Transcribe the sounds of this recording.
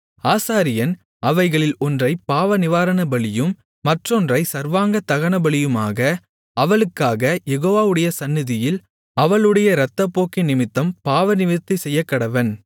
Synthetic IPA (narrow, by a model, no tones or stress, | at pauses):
aːsaːɾɪjɐn | ɐʋɐɪɣɐɭɪlɔndrɐɪpːaːʋɐnɪʋaːɾɐnɐbɐɭɪjɯmː | ɐʈrɔndrɐɪsɐɾʋaːŋɡɐt̪ɐɣɐɳɐbɐɭɪjɯma̰ːɣɐ | ɐʋɐɭɯkːaːɣɐjɛɣoːʋaːʋɯɽɐjɐsɐnːɪðɪjɪl | ɐʋɐɭɯɽɐjɐɾɐt̪ːɐpːoːkɪnɪmɪt̪ːɐmpaːʋɐnɪmɪt̪ːisɛjːɐkːɐɽɐʋɐn